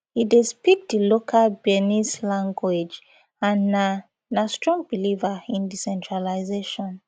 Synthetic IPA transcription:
hidispik̚dilokʰalbɛnislãŋɡwed͡ʒ | ãna | nastɹɔ̃ŋbilivaĩndisɛ̃ntʰɹalaɪzeʃɔ̃n

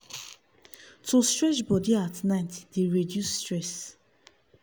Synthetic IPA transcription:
tʰostɹɛʃbɔdiatnaɪtdeɹedjusːtɹɛs

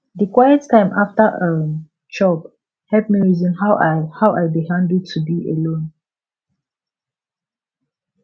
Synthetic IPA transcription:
dəkwajəttʰãɪ̃mʔaftəʔə | t͡ʃɔp | hɛlpmiɹizĩnhahawʔajbiɦãndutʰubiə̰lõn

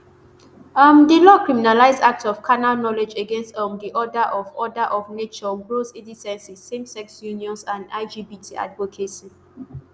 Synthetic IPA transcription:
mdilɔkʰɹiminalaɪzdak̚tsɔfkʰanalnɔled͡ʒəɡɛ̃nstɔmdiʔɔdaʔɔvɔdaʔɔvnet͡ʃɔbɹosidisɛ̃nsĩsẽmsɛksjuniɔ̃nsãnda̰ɪd͡ʒibitʰiʔa̰dvokʰeʃɔ̃n

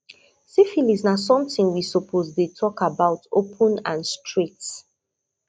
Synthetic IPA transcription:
sifiliznasɔ̃mtĩŋwisɔpʰozdetʰɔkabaʊtopʰə̃nãnstʰɹit

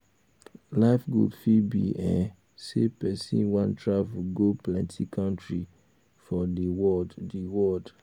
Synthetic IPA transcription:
laɪfɡɹṵpfibḭɛ̃ | sepɛsḭ̃nwãntʰɹavuɡoplɛ̃ntʰikʰãntɹi | fɔdəwɔddiwɔd

